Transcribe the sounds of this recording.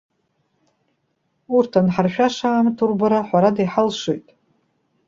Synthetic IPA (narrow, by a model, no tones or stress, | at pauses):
urtʰanħarʃᶣaʂaːmtʰurbaɾaħʷaɾadajħalʂojtʼ